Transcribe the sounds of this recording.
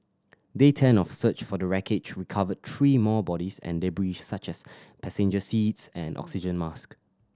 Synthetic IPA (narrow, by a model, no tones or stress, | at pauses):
detʰɛ̃nɔfsət͡ʃfɔdəɹɛkʰet͡ʃd͡ʒɹikʰavəd̚tʰɹiːmɔbɔɾisɛ̰̃nlebɹid͡ʒsat͡ʃɛs | pʰɛsẽnd͡ʒəsitsɛ̃nʔɔ̰ksid͡ʒə̃nmask